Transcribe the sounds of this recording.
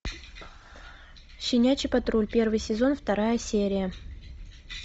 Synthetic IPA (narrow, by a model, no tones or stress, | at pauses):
ɕɪnʲæt͡ɕɪpɐt̪ɾulʲpʲe̞rvɨjsʲɪzo̞nft̪ɐɾajəsʲeɾʲɪjə